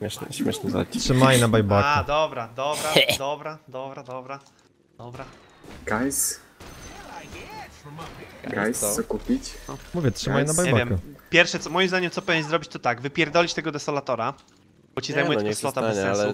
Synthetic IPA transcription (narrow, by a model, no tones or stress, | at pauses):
mʲɛʂn̰ɕmʲɛʂnɛztʂɨmajnabajbakaad̪ɔbɾad̪ɔbɾad̪ɔbɾad̪ɔbɾad̪ɔbɾa | d̪ɔbɾa | ɡajs | ɛ | ɡajssɔkupʲit͡ɕɔmuvʲjɛtʂɘmajnaɲbajɛvbavjɛmkmupʲjɛɾfʂɛt̪sɔmɔjimzd̪aɲɛmt̪sɔpɛvʲɲzɾɔbʲit͡ɕt̪ɔt̪aɡvɘpʲjɛɾd̪ɔlʲit͡ɕt̪ɛɡɔd̪ɛsɔlat̪ɔɾa | bɔt͡ɕizajmujɛt̪ɛkst̪ɔt̪abɛsɛ̃lu